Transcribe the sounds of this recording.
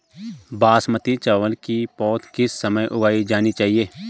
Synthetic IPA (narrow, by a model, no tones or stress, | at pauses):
baːsmət̪it͡ʃaːʋəlkipɔːt̪kɪsːəməjʔʊɡaːid͡ʒaːnit͡ʃaːɦieː